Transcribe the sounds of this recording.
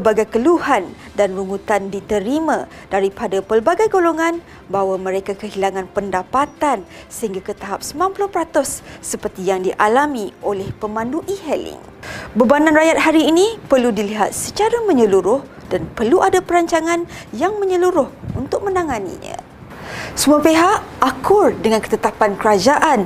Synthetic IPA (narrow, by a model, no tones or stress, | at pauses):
baɡajkəluhan | danruŋut̪andit̪əɾimã | daɾipadapəlbaɡajɡoloŋãn | bawamə̃ɾekakəɦilaŋãnpəndapat̪an | səɦiŋɡakət̪aɦap̚səmanpulʊhpəɾat̪ʊsːəpərt̪ijaŋdiʔalamiʔolɛhpəmãnduʔiɦɛlɪ̰ŋ | bəbananrajat̪̚haɾiːnĩpərludiliɦa̰t̪̚sət͡ʃaɾamə̃ɲəluɾʊh | d̥anpərluʔadapəɾaɲt͡ʃaŋãnjaŋmə̃ɲəluɾʊhunt̪ʊk̚mə̃naŋanḭɲə̰̃ | səmuapeɦaʔakʊrdəŋãnkə̥t̪ət̪apankəɾad͡ʒaʔan